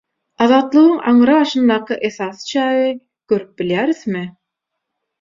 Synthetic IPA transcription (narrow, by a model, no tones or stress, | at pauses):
ɑðɑːt̪lˠɯʁɯŋɑ̰ɴɾɑβɑʃɯnd̪ɑːqʰɯʔeθɑːθɯ̥t͡ʃʰɑːji | ɡ̥øɾyp̚biljæːɾθmi